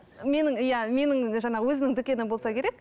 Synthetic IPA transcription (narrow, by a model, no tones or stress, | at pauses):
me̞nɪŋjæme̞nɪŋʒɑnɑʁəwɵzɪnɪŋd̪ʏkʲe̞nɪmbolˠsɑkʲʰe̞ɾek̚